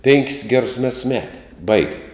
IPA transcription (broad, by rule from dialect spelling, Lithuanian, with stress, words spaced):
ˈpʲɛŋʲkʲɪs ˈɡʲæːrʊs ˈmʲɛts ˈmʲæːtʲɪ ˈbɐɪɡʲɪ